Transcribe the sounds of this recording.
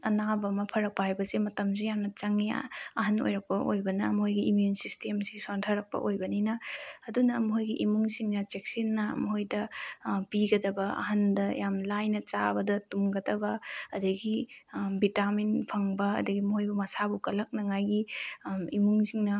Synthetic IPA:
ɐnabɐmɐpʰɐɾɐk̚pɐɦajbɐsemɐtɐmsejamnɐt͡ʃɐŋia̰ɐɦɐno̰jɾɐk̚pɐʔo̰jbɐnɐmhojɡiʔimjunsistʰemsisontʰɐɾɐk̚pɐ̰ʔojbɐninɐɐdunɐːmɦojɡiʔimuŋsiŋnɐt͡ʃek̚sinːɐ̰mɐɦojdɐpiɡɐdɐbɐɐ̰ɦɐndɐjamlajnɐt͡ʃa̰bɐdɐtumɡɐdɐbɐɐdɐɡibitaminpʰɐŋbɐɐ̰dɐɡimɐhojbɐmɐsabukɐlɐk̚nɐŋajɡi | imuŋsiŋnɐ

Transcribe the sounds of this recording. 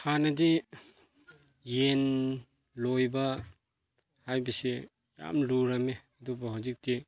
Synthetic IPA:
hanɐdi | jen | lojbɐ | hajbɐsi | ja̰mluɾɐmeɐdubɐɦawzik̚ti

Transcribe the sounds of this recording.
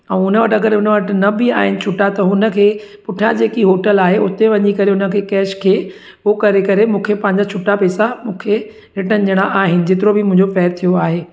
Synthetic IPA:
ɛ̃ːʊnəʋɐʈɐɡəɾɦʊnəʋɐʈɪ̆nɐbɪaːɦɪnɪ̆t͡ɕʰʊʈat̪ɐɦʊnə̆kʰeːpʊʈʰijãd͡ʑeːkiɦoːʈəlaːɦeʊt̪eʋɐɲikɐɾeɦʊnəkʰeːkɛːʃkʰeː | okɐɾekɐɾemũːkʰepɐ̃ɦɪ̃ɲd͡ʑat͡ɕʰʊʈːapɛːsamũːkʰe | lɪʈənɪd͡ʑəɽ̃aʔaːɦɪnɪ̆d͡ʑɪt̪ɪɾobɪmʊ̃ɦɪ̃ɲd͡ʑofɛːɪɾt̪ʰijoaːɦeː

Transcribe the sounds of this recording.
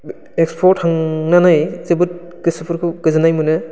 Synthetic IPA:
ekspʰɔɾthaŋnanajzɯbɯt̚ | ɡ̥ɯsɯpʰɯɾkʰɯɡ̥ɯzɯnajmɯnɯ

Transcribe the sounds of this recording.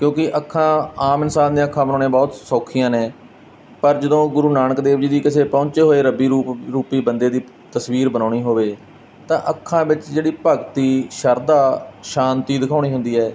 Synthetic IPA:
kjõːkɪʔəkʰːãːaːmɪnsaːnd̪ẽːəkʰːãːbənãːnẽːbɔːt̪sɔːkʰɪjãːnẽː | pəɾd͡ʒəd̪õːɡʊɾuːnaːnəkd̪eːʋd͡ʒiːd̪iːkɪseːpɔ̃ːɲt͡ʃeːɦoːeːɾəbiːɾuːpɾuːpiːbənd̪eːd̪iː | t̪əsʋiːɾbənaːɳiːɦoːʋeː | t̪ãːʔəkʰːãːbɪt͡ʃd͡ʒeːɽiːpəɡt̪iːʃəɾd̪aːʃaːnt̪iːd̪ɪkʰaːɽ̃iːɦʊ̃nd̪iːɛː

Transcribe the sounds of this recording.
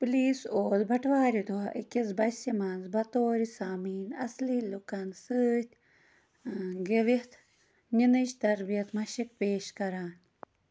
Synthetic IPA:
pliːsoːzbʱɐʈʰʋaːɾid̪uɦɐʔikizbɐsimanzbɐt̪oːɾisaːmiːnɐsliːlukɐnsɨːt̪ʲ | ɡeʋit̪ʰ | ninɐʃt̪ɐɾbijɐt̪mɐʃik̚peːʃkɐɾaːn

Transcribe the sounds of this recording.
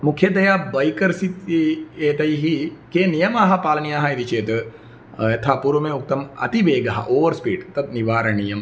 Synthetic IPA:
mukʰjɐd̪ɐjabɐjkɐɾsit̪eːt̪ɐiɦikeːnijɐmaːɦɐpaːlɐniaːɦɐid̪it͡ʃeːt̪ | ɐt̪ʰapuɾɐmẽuk̚t̪ɐmɐ̰t̪iʋeːɡɐɦɐ̰ʔoːʋɐɾspiːɖt̪ɐt̪̚niʋaːɾɐnijɐm

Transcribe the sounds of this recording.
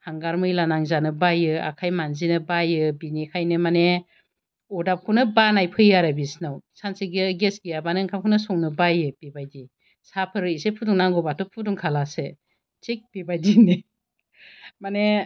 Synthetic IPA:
haŋɡaɾmɯjlanaŋzanɯbajɯa̰kʰajmanzinɯbajɯbinikʰajnɯmane | ɔdap̚kʰunɯbanajpʰɯjaɾabisnawsansiɡɯɡesɡijabanɯŋkʰamkʰunɯsɔŋnɯbajɯb̥ibajdi | sapʰɯɾɯisepʰuduŋnaŋɡɔbatɔpʰuduŋkʰalase | t͡ʃek̚b̥ibajdini | mane

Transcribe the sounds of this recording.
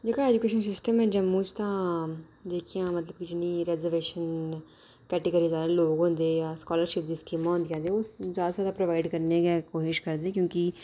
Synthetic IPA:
d͡ʒeːkãɛːd͡ʒukeːʃənsɪsʈəmɛ̃ːd͡ʒəmːũːt͡ʃt̪ãː | d͡ʒeːkʰijãːmət̪ləb̚kid͡ʒɪnːiːɾɛːzəɾʋeːʃən | kɛːʈeɡəɾiːzaːd̪aːloːɡɦõːnd̪eːjaːskɔːləɾʃɪp̚d̪iːskiːmãːɦõnd̪ijãːd̪eːoːzjaːd̪aːzjaːd̪aːpɾoʋaːɪɖkəɾneːɡɛːkoːʃɪʃkəɾd̪eːkjõːkɪ

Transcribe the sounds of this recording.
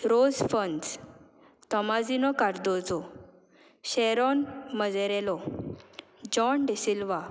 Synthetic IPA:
ɾod͡zfəns | t̪ɔmad͡zinɔkaɾd̪ɔd͡zɔ | ɕɛɾɔnməd͡zɛɾelɔ | d͡ʑɔnɖesilʋa

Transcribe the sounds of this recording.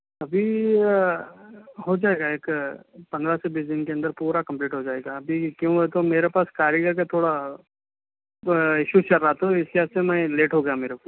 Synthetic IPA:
ɐbʱi | ɦod͡ʒaːeːɡaeːkpɐ̃nd̪ɾasebiːsd̪ɪnkeɐ̃nd̪əɾpuːɾakɐ̃mpliːʈɦod͡ʒaːeːɡaɐbʱikjõːɦɛt̪omeːɾepaːskaːɾjəɡəɾket̪ʰoːɽa | ɪʃuːt͡ʃɐɾːaɦat̪oɦɪskɦɛssemɛ̃leːʈɦoɡɐjameːɾepaː

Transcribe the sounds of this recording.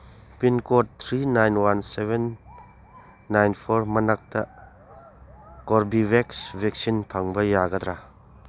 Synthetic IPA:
pinkot̚t̪ʰɾinajnwanseben | ajnpʰoɾmɐnak̚tɐ | koɾbibeksbek̚sinpʰaŋbɐjaɡɐd̪ɾa

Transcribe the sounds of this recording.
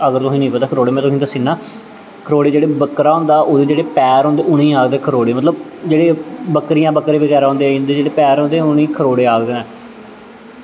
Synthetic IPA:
əɡəɾt̪ʊsĩːnə̃ĩːpət̪aːkʰəɾoːɽeːmɛ̃ːt̪ʊsĩːd̪aːsiːnːaː | kʰəɾoːɽeːd͡ʒeːɽeːbəkɾaːɦʊ̃ːnd̪aːʔoːd̪eːd͡ʒeːɽeːpɛːɾɦõːnd̪eːʊnẽːaːkd̪eːkʰəɾoːɽeːmət̪ləbd͡ʒeːɽeːbəkɾijãːbəkɾẽːbəɣɛːɾaːɦoːnd̪eɪnd̪eːd͡ʒeːɽeːpɛːɾɦõːnd̪eːʊnẽːkʰəɾoːɽeːaːkd̪eːnɛ̃ː

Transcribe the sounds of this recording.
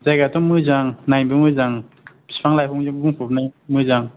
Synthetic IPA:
zajɡatɔmɯzaŋnajnbɯmɯzaŋ | b̥i̥spʰaŋlajpʰɔŋzɯŋbuŋpʰup̚najmɯzaŋ

